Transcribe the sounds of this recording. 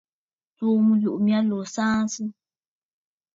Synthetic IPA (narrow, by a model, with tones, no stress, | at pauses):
t͡su˦mũ˦lu˨ʔmĩ˦ã˦lo˨sã˦nsɨ˦